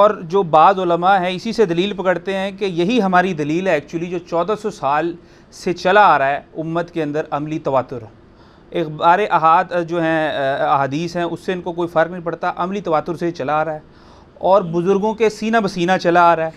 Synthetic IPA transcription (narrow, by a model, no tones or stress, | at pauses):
ɔːɾd͡ʒoːbaːzʊləmaɦɛ̃ɪsised̪ɐliːlpɐkəɽt̪eɦɛ̃kejɐɦiɦɐmaːɾid̪ɐliːlɦɛːk̚t͡ʃuwəlid͡ʒoːt͡ʃɔːd̪asɔsaːl | set͡ʃɐlaaːɾaɦɛʊmːət̪keɐ̃nd̪əɾɐmlit̪ɐʋaːt̪ːʊɾ | eːkbaːɾeʔaɦaːd̪d͡ʒoːɦɛ̃ɐɦaːd̪iːsɦɛ̃ʔʊsːeɪnkokoːifɐɾknɐɦĩpɐɽt̪aʔɐmlit̪ɐʋaːt̪ːʊɾset͡ʃɐlaːɾaɦɛː | ɔːɾbʊzʊɾɡõkesiːnabɐsiːnat͡ʃɐlaaːɾaɦɛː